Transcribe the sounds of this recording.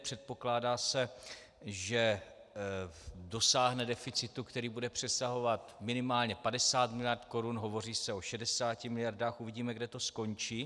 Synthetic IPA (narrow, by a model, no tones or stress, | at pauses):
pr̥ɛt̪̚po̞klaːdaːsɛ | ʒɛ | do̞saːɦnɛdɛfɪt͡sɪt̪ukt̪ɛɾiːbudɛpr̝̥ɛsaɦo̞vat̪mɪnɪmaːlɲɛpadɛsaːt̪mɪlɪjaɾt̪ko̞ɾunɦo̞vo̞r̝iːsɛo̞ʃɛdɛsaːcɪmɪlɪjaɾdaːxʔuvɪɟiːmɛɡdɛt̪o̞sko̞ɲt͡ʃiː